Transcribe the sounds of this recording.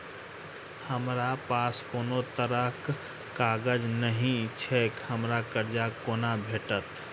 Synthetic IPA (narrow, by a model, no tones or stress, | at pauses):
həmɾapaskonot̪əɾəkː | aɡəd͡ʒnəɦĩt͡ʃʰekhəmɾakəɾd͡ʒakoːnabʱeʈət̪